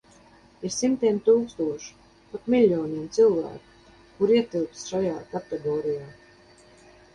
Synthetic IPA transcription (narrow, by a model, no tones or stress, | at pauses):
iɾsimt̪ʲiɛmt̪uːkst̪uɔʃu̥ | pat̪mʲilʲːɔːnʲiɛmt̪sɨlˠvæ̰ːku̥ | kuɾiɛt̪ilˠp̪sʃajaːkat̪eɡɔːɾijaː